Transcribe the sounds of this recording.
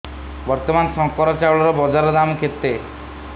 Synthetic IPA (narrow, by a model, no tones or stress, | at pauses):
bɔɾt̪ɔmansɔŋkɔɾɔt͡ʃawɭɔɾɔbɔd͡ʒaɾɔd̪amkʰet̪ːe